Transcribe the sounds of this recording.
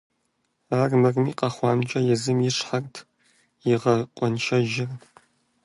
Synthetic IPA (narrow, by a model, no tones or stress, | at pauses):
aːrmɐrmiqʼɐχʷɑːmt͡ʃʼɐjɛzɨmjɪʂħartʰ | jiʁɐqʷʼɔnʃʰɐʒɪr